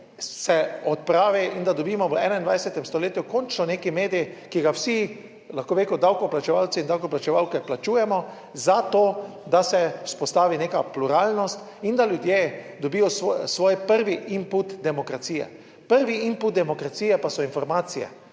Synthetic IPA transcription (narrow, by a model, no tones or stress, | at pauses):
sɛɔt̪̚pɾaːʋɛʔind̪ad̪ɔbiːmɔʋəɛːnaind̪ʋajsɛt̪ɛmst̪ɔleːt̪jukɔnt͡ʃnɔneːkimeːd̪ijikiɡawsi | laxkoːʋekɔd̪awkɔplat͡ʃɛʋawt̪iːnd̪awkɔplat͡ʃɛʋawkɛplat͡ʃuːjɛmɔ | zat̪oː | d̪asɛuspɔst̪aːʋineːkapluɾaːlnɔst̪ | ind̪aljud̪je | d̪ɔbijɔssʋoːjpəɾʋiʔimput̪d̪ɛmɔkɾat̪siːjɛ̰ | pəɾʋiimput̪̚d̪ɛmɔkɾat̪siːjɛpasɔinfɔɾmaːt̪sijɛ̰